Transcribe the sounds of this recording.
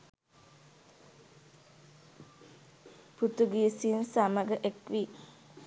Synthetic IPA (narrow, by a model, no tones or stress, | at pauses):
put̪uɡiːsinsaməɡəʔekʋi